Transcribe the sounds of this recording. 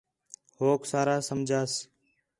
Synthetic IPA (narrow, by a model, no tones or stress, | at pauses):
hoːksaːɾaːsəmd͡ʒʱaːs